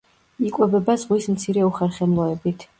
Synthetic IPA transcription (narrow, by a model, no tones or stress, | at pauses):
ikʼwɛbɛbazʁwismt̪sʰiɾɛuχɛɾχɛmlˠɔɛbit̪ʰ